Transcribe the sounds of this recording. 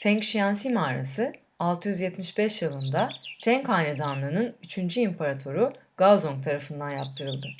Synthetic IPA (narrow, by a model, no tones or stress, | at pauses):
fɛŋkʃijansimaːɾa̰sɯ | alˠt̪ʰɯjyzjɛt̪miʃbɛʃjɯlˠɯnd̪at̪ʰɛŋkhaːnʲɛd̪anlˠɯːnɯnyt͡ʃʰynd͡ʒyimpʰaɾat̪ʰo̞ɾuɡ̥azoŋk̚t̪ʰaɾafɯnd̪anjap̚t̪ʰɯɾɯlˠd̪ɯ